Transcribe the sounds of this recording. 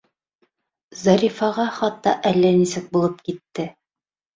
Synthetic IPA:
zɑɾʲifɑʁɑχɑt̪ːɑʔælːænisɘk̚bulˠɤp̚kit̪ːɘ

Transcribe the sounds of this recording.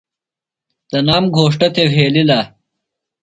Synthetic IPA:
d̪̥ɐnaːmɡʱoːʂʈɐt̪eɦeːlilaː

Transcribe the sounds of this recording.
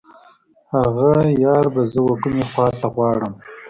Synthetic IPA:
haɣajɑːɾbazəwakumexwɑːt̪aɣwɑːɽəm

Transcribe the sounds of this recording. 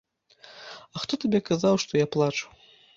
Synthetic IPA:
axt̪ɔt̪abʲɛkazawʂt̪ɔjaplˠat͡ʂu̥

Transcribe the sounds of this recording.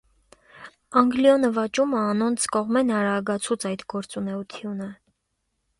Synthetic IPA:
ɑŋɡliɔnəvɑt͡ʃuməɑnɔnt͡sʰkɔʁmɛnɑɾɑɡɑt͡sʰut͡sʰɑjt̪ɡɔɾt͡sunɛut̪ʰjunə

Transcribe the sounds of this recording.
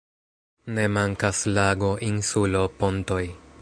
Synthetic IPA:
ne̞maŋkaslaɡo̞ʔinsulo̞ponto̞j

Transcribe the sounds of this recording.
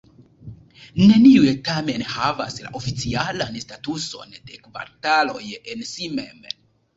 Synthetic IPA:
ne̞niujetame̞nhavasla̰ʔo̞fit͡sialanstatuso̞̰nde̞kva̰ɾtalo̞jensime̞̰m

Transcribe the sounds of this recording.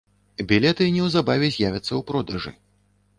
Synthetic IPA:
bʲilʲɛt̪ɨnʲɛwzabavʲɛzʲjavʲɐt̪sːɐwpɾɔd̪ɐʐɨ̰

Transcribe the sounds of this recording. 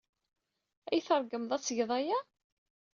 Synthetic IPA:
æjθəɾˤɡəmðˤæt͡sːəʝðˤæja

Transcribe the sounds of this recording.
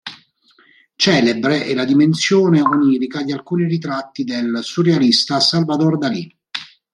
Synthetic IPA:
t͡ʃɛːlebɾeʔɛlad̪imensjoːneoniːɾikad̪ialkuːnirit̪̬ɾat̪ːid̪elsurealist̪asalvad̪ord̪ali

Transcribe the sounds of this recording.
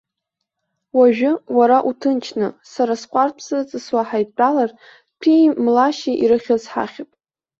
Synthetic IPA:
waʒᶣʊwaɾaʔutʰɨnt͡ʃʰnɨsaɾasqʷʼarpʰsat͡sʼɨswaħajʼt͡pʼalar | pʰimlaʃiʔiɾɨχʲazħa̰χʲapʼ

